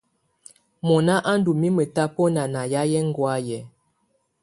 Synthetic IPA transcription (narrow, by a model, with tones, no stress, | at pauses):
mɔ˨na˦ʔa˦n˦du˨mi˦mə˨ta˦pɔ˦na˨na˨ja˦jɛ˦ŋ̩˦˨ɡwa˦jɛ˨